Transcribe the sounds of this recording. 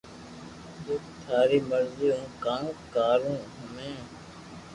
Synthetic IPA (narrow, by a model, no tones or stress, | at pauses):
d͡ʒoːt̪ʰaːɾiːməɾziːɦõːkãːkaːɾũːɦʊnẽː